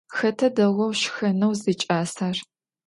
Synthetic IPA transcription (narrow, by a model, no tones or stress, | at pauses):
xɐtʰɐdɐʁʷɔwʃxɐnɐwzit͡ʃʼaːsaːr